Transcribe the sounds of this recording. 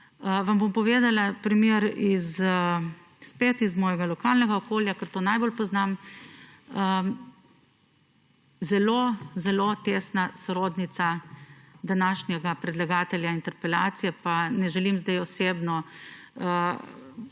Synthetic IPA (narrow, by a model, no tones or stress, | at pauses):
əʋambompɔʋeːd̪alapɾimjeɾiz | spet̪izmɔːjɛɡalɔkaːlnɛɡaɔkoːljakəɾt̪oːnajbolpɔznam | ə | zɛlozɛlot̪esnasɔɾoːd̪nit̪sa | d̪anaːʃnjɛɡapɾɛd̪laɡaːt̪ɛljaint̪ɛɾpɛlaːt̪sijɛpanɛʒɛlimzd̪ajɔseːbnɔ | ə